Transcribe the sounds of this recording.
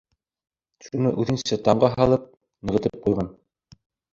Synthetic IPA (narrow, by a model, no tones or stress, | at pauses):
ʃunɤʔʉðɘ̆nsæt̪ɑɴɢɑɦɑlˠɤp̚ | nɤ̆ʁɤ̆t̪ɤp̚qujʁɑn